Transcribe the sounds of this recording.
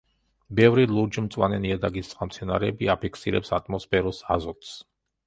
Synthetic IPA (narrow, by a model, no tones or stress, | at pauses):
bɛvɾilˠuɾd͡ʒmt̪sʼwa̰nɛniad̪aɡisʼχamt̪sʰɛnaɾɛbiapʰikʰsiɾɛ̰psat̪ʼʰmɔspʰɛɾɔsazɔt̪ʰʼs